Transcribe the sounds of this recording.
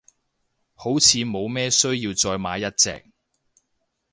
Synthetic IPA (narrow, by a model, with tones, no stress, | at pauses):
ho˨˥wt͡sʰiː˨˧mo˨˧wmɛː˥sɵ˥ɥjiː˧wt͡sɔː˧jma̰ː˨˧˥jɐ˥t̚t͡sɛ̰ː˧k̚